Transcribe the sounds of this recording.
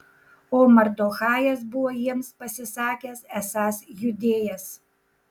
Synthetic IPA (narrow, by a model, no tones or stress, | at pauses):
oːmɐɾd̪oːxɑːjɛsbʊʋoːjiɛmspɐsʲɪsɑːkʲɛsæsɑːsjʊd̪ʲeːjɛs